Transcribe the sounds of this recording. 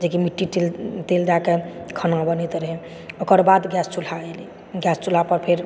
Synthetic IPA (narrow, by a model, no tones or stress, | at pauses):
d͡ʒekimiʈːiʈelt̪eld͡ʒakekʰənabənit̪ɾəɦe | okəɾbad̪ɡjast͡ʃul̤aeli | ɡjast͡ʃul̤apəɾpʰeɾ